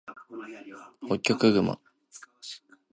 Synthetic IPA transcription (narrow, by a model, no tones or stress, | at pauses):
okʲːokɯɡɯma̰